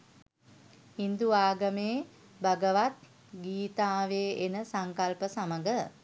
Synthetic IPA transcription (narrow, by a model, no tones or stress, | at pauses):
hind̪uaːɡəmeː | baɡəʋat̪̚ | ɡiːt̪aːʋeːenəsaŋkalpəsaməɡə